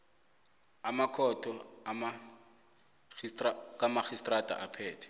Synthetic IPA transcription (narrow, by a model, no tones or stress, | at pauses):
amakʰɔtʰɔama | kʼamaxistʼratʼa̰ʔapʰɛːtʰɛ̥